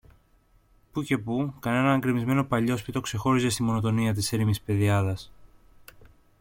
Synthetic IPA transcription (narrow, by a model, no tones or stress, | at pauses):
puce̞pukɐne̞nɐːŋɡɾimizme̞no̞pɐʎo̞spit̪o̞kse̞xo̞ɾise̞st̪imo̞no̞t̪o̞niɐt̪̬iseɾimispe̞ðiɐðɐs